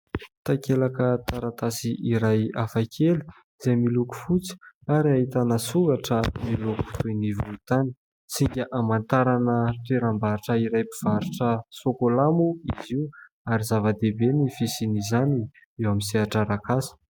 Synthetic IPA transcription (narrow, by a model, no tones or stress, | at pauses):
t̪akelakət̪aɾat̪asiʔiɾajafakʰel | iz̥ajmiluku̥fut͡si̥aɾiaɦit̪anəsuɡaʈ͡ʂəmiluku̥t̪ujnivult̪ani̥ | t͡siŋɡʲəʔamant̪aɾanəʈ͡ʂeɾambaɾiʈ͡ʂəiɾajpiv̥aɾiʈ͡ʂəsokolamuiziu | aɾizavad̪ebenifisinizani | ewamisiaʈ͡ʂaɾakasə̥